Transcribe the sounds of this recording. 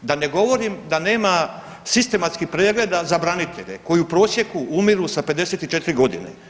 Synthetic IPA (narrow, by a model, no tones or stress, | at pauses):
d̪ane̞ɡo̞ʋo̞ɾimd̪ane̞ːma | sist̪e̞mat̪skihpɾeːɡle̞d̪azabɾanit̪ʰe̞̰ʎeko̞jupɾo̞ːsje̞kuʔumiɾusape̞d̪e̞se̞t̪it͡ʃet̪ɾiɡo̞d̪ḭnḛ